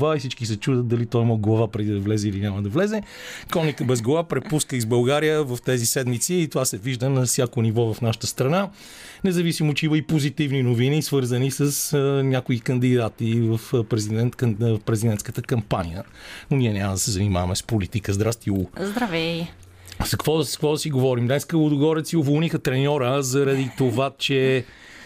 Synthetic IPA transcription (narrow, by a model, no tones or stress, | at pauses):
vaisit͡ʃkisɛt͡ʃud̪ət̪̚d̪ɐlit̪ɔimoɡlˠɐvapɾɛd̪id̪ɐvlɛzɛilinʲaməd̪ɐvlɛzɛ | kɔnikəbɛzɡlˠɐvapɾɛpuskəizbɐlˠɡaɾijəvəft̪ɛzisɛd̪mit̪siːt̪ovasɛviʒd̪ənɐfsʲjakonivɔvɐfnaʃə̥t̪əst̪ɾɐna | nɛzɐvisimot͡ʃɛimɐipozit̪ivninovinisvɤɾzənisəsnʲakoikɐnd̪id̪at̪ivəfpɾɛzid̪ɛnt̪kfpɾɛzid̪ɛnt̪kət̪əkɐmpanḭjə̰nonʲiɛnʲaməd̪ɐsɛzɐnima̰vɐmɛspolit̪ikəzd̪ɾast̪iuzd̪ɾɐvɛ | zɐkkvɔd̪skvɔd̪ɐsiɡovɔɾimd̪ɛskəlʊd̪oɡɔɾɛt̪siovolˠnixət̪ɾɛnʲɔɾəzɐɾɐd̪it̪ovat͡ʃɛ